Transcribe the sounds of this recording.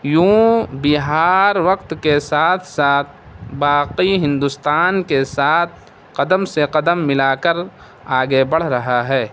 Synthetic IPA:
jũːbɪɦaːɾʋɐqt̪kesaːt̪ʰsaːt̪̚ʰbaːqiɦɪ̃nd̪ʊst̪aːnkesaːt̪̚ʰ | qɐd̪əmseqɐd̪əmːɪlaːkəɾ | aːɡebɐɽ̤ɾɐɦaɦɛː

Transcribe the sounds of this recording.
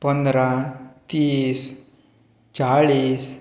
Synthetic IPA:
pənd̪ɾat̪iːs | t͡saɭiːs

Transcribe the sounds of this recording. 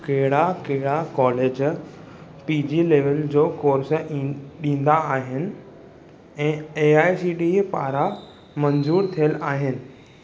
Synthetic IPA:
keɦɪɽakeɦɪɽakɔːleːd͡ʑ | piːd͡ʑiːleːʋəld͡ʑoːkoːɾsə̆ɗĩːn̆d̪aːɦɪnɪ̆ | ɛ̃ːeaːjsiːɖipaːɾa | mɐ̃nzuːɾt̪ʰijəlaːɦɪnɪ̆

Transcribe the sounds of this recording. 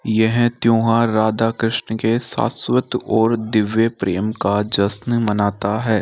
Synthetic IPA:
jɛɦt̪jõːɦãɾaːd̪akɾɪʃnəkesa̰ːswət̪ɔːɾd̪ɪʋjepɾḛːmkad͡ʒɐsnmɐnaːt̪aɦɛː

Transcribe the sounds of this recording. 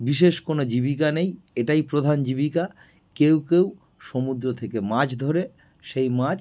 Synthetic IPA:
biʃeʃkonod͡ʑibikanejeʈajpɾod̪ʱand͡ʑibika | kewkew | ʃomud̪ɾot̪ʰekemad͡ʑd̪ʱoɾe | ʃejmat͡ɕ

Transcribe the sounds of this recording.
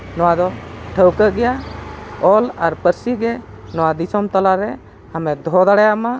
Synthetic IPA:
nɔwad̪ɔʈʰəwkəɡɛja | ɔlaɾpəɾsiɡɛ | nɔwad̪isɔmt̪ɔlaɾɛ | amɛd̪ʱɔd̪aɽajama

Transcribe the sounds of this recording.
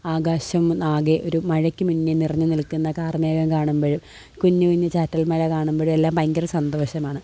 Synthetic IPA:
aːɡaːɕɐmnaːɣeʔo̞ɾumɐɻɐkʲːɨmuɲːinirɐɲːɨnilkːunːɐkaːrmeːɣɐmkaːɳumboɻum | kuɲːɨkuɲːɨt͡ɕaːtːɐlmɐlɐkaːɳumboɻume̞lːaːmpɐŋɡɐɾɐsɐnd̪ɐʋɐɕɐmaːɳɨ

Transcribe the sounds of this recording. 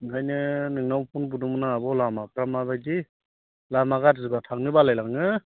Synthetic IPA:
kʰajnɯnɯŋnawpʰunbudumɯnaːbɔwlamapʰɾamabajdi | lamaɡatzɯbatʰaŋ̚nɯbalajlaŋɯ

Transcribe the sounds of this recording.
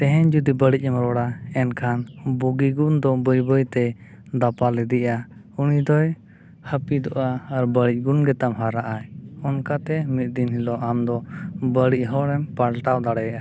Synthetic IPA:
t̪ɛɦɛɲd͡ʒud̪ibəɽic̚ˀɛmɾɔɽaɛnkʰanbuɡiɡund̪ɔbɔjbɔjt̪ɛ | d̪apalɛd̪iʔa | unid̪ɔj | həpid̪ɔʔaːɾbəɽic̚ˀɡunɡɛt̪amɦaɾaʔajɔnkat̪ɛmit̪̚ˀd̪inɦilɔʔamd̪ɔbəɽic̚ɦɔɾɛmpaɽʈawd̪aɽɛjaʔa

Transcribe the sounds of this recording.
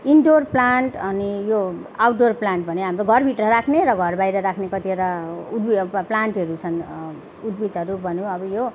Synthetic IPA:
iɳɖorplanʈʌnijoawʈ̚ɖorplaɳʈbʌneɦamroɡʱʌrbʱit̪rʌɾakʰneɾʌɡʱʌrbajɾʌɾakʰnekʌt̪ieɾaud̪biplaɳʈʌɾut͡sʰʌn | ud̪̚bit̪ʌɾubʱʌnũʌbʌjo

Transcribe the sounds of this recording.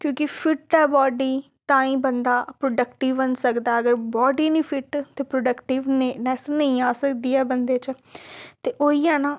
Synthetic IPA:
kjõːkɪpʰɪʈɛːbɔːɖiː | t̪ãːĩːbənd̪aːpɾoːɖəkʈɪʋənsəkd̪aːəɡəɾbɔːɖiːnĩːpʰɪʈt̪eːpɾoːɖəkʈɪʋnenɛːsnəĩːaːsəkd̪iːɛːbənd̪eːt͡ʃ | t̪eːʔoːiːɛːnaː

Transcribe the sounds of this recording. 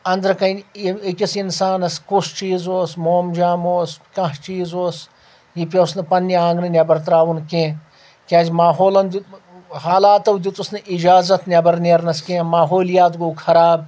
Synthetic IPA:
ɐnd̪ɐɾkɐnʲiikʲisinsaːnɐskust͡ʃiːzoːsmoːmd͡ʒaːmoːskɐ̃ɦt͡ʃiːzoːs | jipʲɐsnɨpɐnʲːiãːŋɡnɨnʲɐbɐɾt̪ɾaːʋunkẽː | kʲãːzʲmaːɦoːlɐnd̪i | haːlaːt̪ɐwd̪it̪usnɨʔid͡ʒaːzɐt̪nʲɐbɐɾnʲeːɾnɐskʲẽmaːɦoːlijaːt̪ɡoːkʰɐɾaːb̚

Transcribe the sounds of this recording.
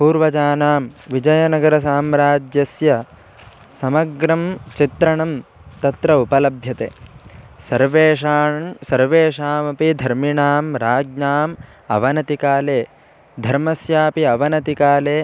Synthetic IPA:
puːɾʋɐd͡ʒaːnaːmʋid͡ʒɐjɐnɐɡɐɾɐsaːmɾaːd͡ʒjɐsjɐ | sɐmɐɡɾɐmt͡ʃit̪ɾɐɳɐm | t̪ɐt̪ɾɐupɐlɐbʱjɐt̪eːsɐɾʋeːaːsɐɾʋeːʃaːmɐpid̪ʱɐɾmiɳaːmɾaːɡɲaːm | ɐ̰ʋɐnɐt̪ikaːleː | d̪ʱɐɾmɐsjaːpiɐʋɐnɐt̪ikaːleː

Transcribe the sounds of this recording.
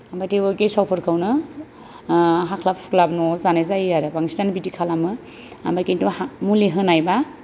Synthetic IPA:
ambajtewɯɡejsawpʰɔɾkʰawnɯ | ɦakʰlap̚pʰu̥klabnɔzanajzajaɾɯbaŋistanbitikʰalamɯ | a̰mbajkentumuliɦɯnajba

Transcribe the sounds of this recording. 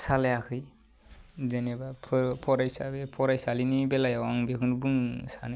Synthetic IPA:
salejakʰɯj | zenebapʰpʰɔɾajsa̰bepʰɔɾajsalinibelajawaŋbekʰɯnbuŋsa̰nɯ

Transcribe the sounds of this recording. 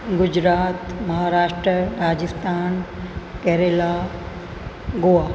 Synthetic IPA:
ɡʊd͡ʑɾaːt̪mɐɦaːɾaːʃʈɾəɾaːd͡ʑɪst̪aːnkɛɾela | ɡoa

